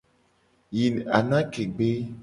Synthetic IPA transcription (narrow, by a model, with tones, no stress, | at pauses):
ji˨na̰˨na˦ke˨ɡ͡be˦